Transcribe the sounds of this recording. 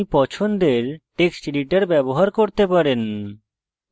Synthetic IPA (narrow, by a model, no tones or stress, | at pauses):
ipɔt͡ɕʰond̪eɾʈeksʈɖiʈaɾbɛboɦaɾkoɾt̪epaɾen